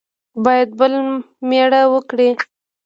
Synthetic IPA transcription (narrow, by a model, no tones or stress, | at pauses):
bɑjad̪̚bəl | meɽawəkɽi